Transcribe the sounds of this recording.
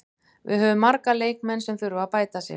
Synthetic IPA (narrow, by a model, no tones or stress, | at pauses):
vɪ̰ðɦœːvʏmːaɾkaleːjkmɛnsɛmfʏɾʏaðpaːjt̪asjɛ̰